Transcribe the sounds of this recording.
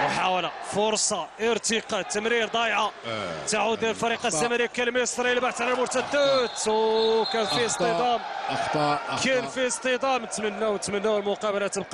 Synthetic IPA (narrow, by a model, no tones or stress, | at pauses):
ħawlæfʊɾsˤɑʔəɾt̪əqɑt̪ːəmɾiɾd̪ˤɑjʕat̪aʕud̪ːjæɾlfɑɾiqɑzæmæɾikælmæsɾɑjəlbaħt̪ʕlælmʊɾt̪æd̪ət̪wkænfist̪əd̪ˤɑm | kænfist̪ˤəd̪ˤɑmt̪mənːæwnt̪mənːæwəlmʊqɑbəlæt̪əb̚qɑ